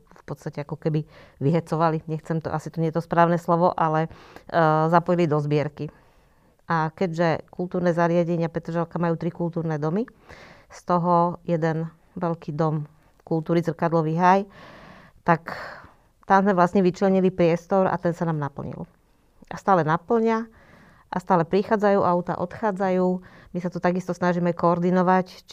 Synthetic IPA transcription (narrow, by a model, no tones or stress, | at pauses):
fpɔt̪st̪acɛakɔkɛbiʋiɦɛt͡sɔʋaliɲɛxt͡sɛmt̪ɔ̰ʔasit̪ɔɲɛɛt̪ɔspɾaːʊnɛslɔʋɔʔalɛ | zapɔjilid̪ɔzbɪɛɾki | ʔakɛɟʒɛkult̪uːɾnɛːzaɾɪaɟɛɲɪapɾɛt̪ɾʒalkamajuːt̪ɾikult̪uːɾnɛd̪ɔmist̪ɔɦɔjɛd̪ɛn | ʋɛlkiːd̪ɔm | kult̪uːɾizr̩kad̪lɔʋiɦaj | t̪ak | t̪amzmɛʋlast̪ɲɛʋit͡ʃlɛɲilipɾɪɛst̪ɔɾa̰t̪ɛnsanaːmnapl̩ɲḭl | ʔast̪aːlɛnapl̩ɲɪa | ʔast̪aːlɛpɾixaːd͡zajuːʔaʊt̪a̰ʔɔt̪xaːd͡zajuːmisat̪ɔt̪aɡist̪ɔsnaʒimɛkɔːɾd̪inɔʋac